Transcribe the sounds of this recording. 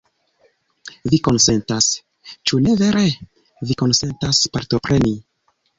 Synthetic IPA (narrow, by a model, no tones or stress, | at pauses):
viko̞nse̞ntas | t͡ʃune̞ve̞ɾe̞ | viko̞nse̞ntaspaɾto̞pɾe̞ni